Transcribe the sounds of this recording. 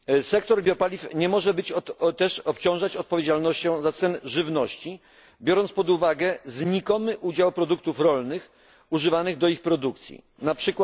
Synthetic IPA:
sɛkt̪ɔɾbʲjɔpalʲifɲɛmɔʐɛbɘt͡ɕt̪ɛʂɔpt͡ɕɔ̃w̃ʐat͡ɕɔt̪̚pɔvʲjed͡ʑalnɔɕt͡ɕɔ̃w̃zat̪sɛnʐɘvnɔɕt͡ɕi | bʲjɔɾɔnt̪spɔd̪uvaɡɛzɲikɔmɘʔud͡ʑawpɾɔd̪uk̚t̪ufɾɔlnɘx | uʐɘvanɘɣd̪ɔixpɾɔd̪ukt̪sʲjḭ | napʂɘkw

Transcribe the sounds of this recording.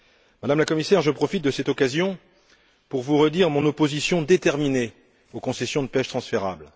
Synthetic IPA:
mad̪amlakɔmisɛʁʒəpχɔfit̪̚d̪əsɛt̪ɔkazjɔ̃ | puʁvuʁəd̪iʁmɔ̃nopozisjɔ̃d̪et̪ɛʁmine | okɔ̃sɛsjɔ̃d̪əpɛʃt̪χɑ̃sfeʁa̰bl

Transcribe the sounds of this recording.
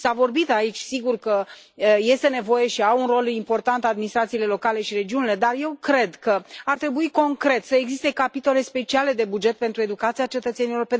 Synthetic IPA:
savo̞rbit̪ait͡ʃʲsiɡurkə | je̞st̪e̞ne̞vo̞je̞ʃiawunro̞limpo̞rt̪ant̪ad̪minist̪ɾat̪sile̞lo̞kale̞ʃiɾe̞d͡ʒiunile̞d̪arje̞wkɾe̞d̪kəart̪ɾe̞buiko̞ŋkɾe̞t̪səeɡzist̪e̞kapit̪o̞le̞spe̞t͡ʃiale̞d̪e̞bud͡ʒe̞t̪̚pe̞nt̪ɾue̞d̪ukat̪siat͡ʃe̞t̪ət̪se̞niolo̞rpe

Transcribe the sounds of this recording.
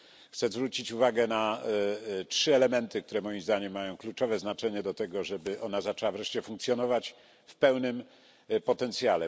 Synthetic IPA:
xt̪sɛzvɾut͡ɕit͡ɕuvaɡɛna | tʂɘɛlɛmɛnt̪ɘk̚t̪uɾɛmɔjimzd̪aɲɛmːajɔ̃w̃klut͡ʂɔvɛznat͡ʂɛɲɛd̪ɔt̪ɛɡɔʐɛbɘʔɔnazat͡ʂɛwavɾɛʂt͡ɕɛfuŋk̚t̪sʲjɔnɔvat͡ɕ | fpɛwnɘm | pɔt̪ɛnt̪sʲjalɛ

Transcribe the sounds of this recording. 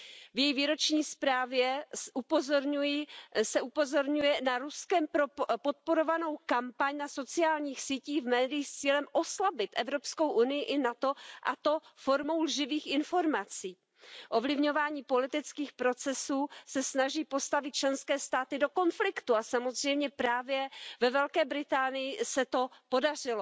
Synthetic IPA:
vjɛjiviːɾo̞t͡ʃɲiːspɾaːvjɛʔupozoɾɲujɪsɛʔupo̞zo̞ɾɲujɛnaɾuskɛmpo̞t̪̚po̞ɾo̞vano̞wkampaɲnaso̞t͡sɪaːlɲiːxsiːciːvmɛːdɪjist͡siːlɛmʔo̞slabɪt̪ʔɛvɾo̞psko̞wʔunɪjɪʔɪnat̪o̞ʔat̪o̞foɾmo̞wlʒɪviːxɪnfo̞ɾmat͡siː | ʔo̞vlɪvɲo̞vaːɲiːpo̞lɪt̪ɪt͡skiːxpɾo̞t͡sɛsuːsɛsnaʒiːpo̞st̪avɪt̪̚t͡ʃlɛnskɛːst̪aːt̪ɪdo̞ko̞nflɪkt̪uasamo̞zr̝ɛjmɲɛpɾaːvjɛvɛvɛlkɛːbɾɪt̪aːnɪjɪsɛt̪o̞po̞dar̝ɪlo

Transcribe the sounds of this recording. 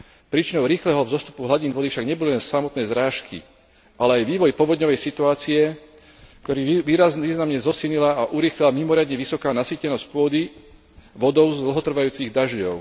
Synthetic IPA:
pɾiːt͡ʃinɔʊɾiːxlɛɦɔvzɔst̪u̥puɦlaɟinʋɔd̪ifʃaɡɲɛbɔlilɛnsamɔt̪nɛjzɾaːʃkḭ | ʔalɛajʋiːʋɔjpɔʋɔd̪ɲɔʋɛjsit̪uaːt͡siɛ | kt̪ɔɾiːʋiːaiːznamɲɛzɔsiːlɲilaaʔuɾiːxlilamimɔɾɪad̪ɲɛʋisɔkaːnasiːcɛnɔsc̚pʊɔd̪i | ʋɔd̪ɔʊzd̪l̩ɦɔt̪r̩ʋajuːt͡siɣd̪aʒɔʊ

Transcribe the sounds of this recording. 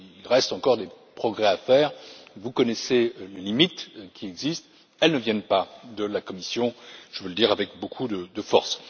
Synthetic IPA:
ilʁɛst̪ɑ̃kɔʁd̪epχɔɡʁɛafɛːʁvukɔnɛselelimit̪kʲʰiɛɡzist̪ | ɛlnəvjɛnpad̪əlakɔmisjɔ̃ʒ̥əvələd̪iʁavɛkbokʰud̪əd̪əfɔ̰ʁs

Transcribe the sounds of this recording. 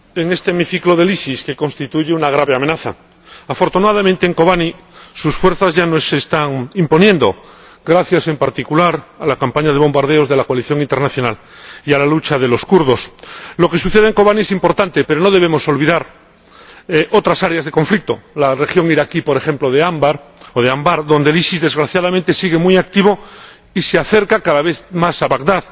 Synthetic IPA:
e̞ŋe̞st̪e̞miθiklo̞ðe̞lisiske̞ko̞nst̪it̪uʝeunaɣ̞ɾaβe̞ame̞naθa̰ | afo̞ɾt̪unaðamẽnt̪eːŋko̞βani | susfwe̞ɾθazʝanosest̪aŋimpo̞nje̞nd̪o̞̰ | ɡɾaθjase̞mpaɾt̪ikulaɾalakampaɲað̞e̞β̞õ̞mbaɾð̞eo̞zðe̞lakoaliθjo̞ŋint̪e̞ɾnaθjo̞nal | ialalut͡ʃaðe̞lo̞skuɾð̞o̞slo̞ke̞suθe̞ð̞eŋko̞βanie̞simpo̞ɾt̪ant̪e̞pe̞ɾono̞ðe̞β̞e̞mo̞so̞lβiðaɾ | ʔot̪ɾasaɾeazðe̞ko̞ɱflik̚t̪o̞lare̞xjo̞ŋiɾakipoɾexe̞mplo̞ðeambaɾoðeambaɾðo̞nd̪elisizðe̞zɣɾaθjað̞amẽnt̪e̞siɣe̞mwiak̚t̪iβo | iseaθe̞ɾkakaðaβ̞e̞θmasaβaɣd̪að

